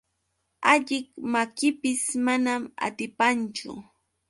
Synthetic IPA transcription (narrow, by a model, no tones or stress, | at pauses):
aʎɪkmakɪpɪsmanama̰t̪ɪpant͡ʃʊ̰